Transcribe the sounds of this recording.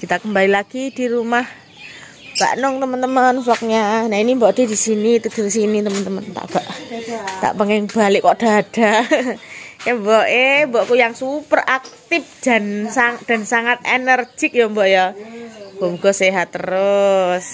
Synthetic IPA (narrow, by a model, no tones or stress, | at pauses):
kit̪akəmbalilaɡ̥id̥iɾumah | b̥a̰ʔnʊŋt̪əmənt̪əmənflɔk̚ɲanaʔinimbɔʔd̥e̤disinit̪ədrisinit̪əmənt̪əmənt̪a̰ʔb̥aʔt̪a̰ʔpəŋɪŋb̥alɪʔkɔʔd̥a̤d̥a | jambɔʔembɔʔkujaŋsupərʔak̚t̪ɪp̚d̥a̤nsaŋd̥a̤nsaŋat̪̚ḛnərd͡ʒɪk̚jɔmbɔʔjɔ | b̥ɔmuɡ̥ɔseɦat̪ːəɾʊs